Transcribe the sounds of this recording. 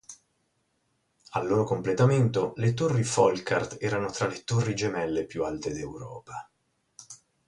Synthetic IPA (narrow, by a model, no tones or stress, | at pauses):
alːoːɾokomplet̪ament̪olet̪orːifɔlkart̪ɛːɾanot̪ɾalet̪orːid͡ʒemɛlːepjualt̪ed̪ewɾɔ̰ːpa